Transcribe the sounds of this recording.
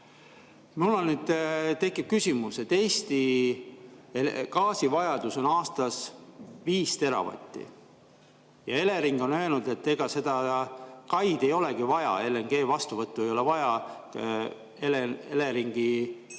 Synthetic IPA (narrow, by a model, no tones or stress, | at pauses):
miulːonnyːd̪̥t̪e̞kːˑip̚kysʲimuse̞t̪ːe̞ːst̪i | ekɑːsivɑjɑd̪̥uso̞nɑːst̪ɑsviːst̪e̞ɾɑ̰vɑ̰t̪ʲːˑḭ | jɑe̞le̞ɾiŋɡ̥o̞nø̞enud̪̥e̞t̪ːe̞ɡ̥ɑse̞d̪̥ɑkɑjd̪̥e̞jo̞le̞ɡ̥ivɑjɑ̰e̞lːeŋɡ̥e̞ːvɑst̪uvɤt̪ːue̞jo̞le̞vɑjɑ | elenele̞ɾiŋɡ̥i